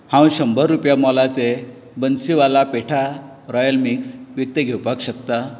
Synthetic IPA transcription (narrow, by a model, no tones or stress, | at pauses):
hãw̃ɕəmbʱəɾːupjamɔlat͡se | bənsiʋalapeʈʰa | ɾɔjəlmiksʋjik̚t̪eɡʱewpakɕəkt̪a